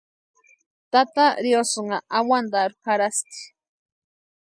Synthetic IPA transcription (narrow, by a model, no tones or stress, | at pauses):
t̪at̪aɾjosoɴaʔawand̪aɾpaɾast̪i̥